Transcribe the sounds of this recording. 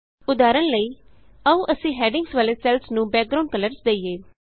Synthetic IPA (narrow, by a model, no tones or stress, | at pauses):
ʊd̪aːɾənləiː | əũːʔəsĩːɦɛːɖɪŋɡsʋaːleːsɛːlsnũːbɛːk̚ɡɾaʊ̃ɳɖ̚kələɾsd̪eiːeː